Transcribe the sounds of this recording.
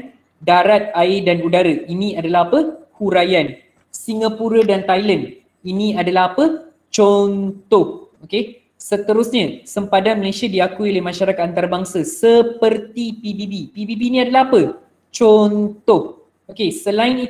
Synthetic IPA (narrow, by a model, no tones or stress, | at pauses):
daɾat̪̚aɪdanudaɾaʔinĩadalaɦapəhuɾajan | siŋapuɾadant̪ajland | inĩadalaɦapə | t͡ʃɔnt̪ɔh̚oke | sət̪əɾʊsɲasəmpadanməlesiadiakuiolehmãʃaɾakat̪ant̪aɾabaŋsasəpərt̪ipibibipibibinĩadalaɦapə | t͡ʃɔnt̪ɔh̚ | okesəlaɪni